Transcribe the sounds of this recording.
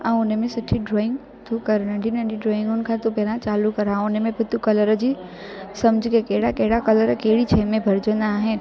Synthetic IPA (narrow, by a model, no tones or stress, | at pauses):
ãʊnemẽsʊʈʰːiɖɾoːɪ̃ŋɡ | t̪ukəɾnə̃ɖinəɳɖiɖɾoːɪ̃ŋɡʊnkʰat̪upeːɾãt͡ʃaːlukəɾãʊnemẽpət̪ukɐləɾəd͡ʒisɐmd͡ʒʱkekeːɽakeːɽakɐləɾkeːɽit͡ʃʰɛːmẽbʱɐɾd͡ʒonaɦɛ̃